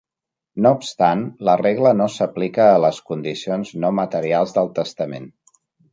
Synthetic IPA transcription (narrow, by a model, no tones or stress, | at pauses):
noupst̪anləreɣlənosəplikəːləskund̪isionznomət̪əɾialˠzðəlˠt̪əst̪əmḛn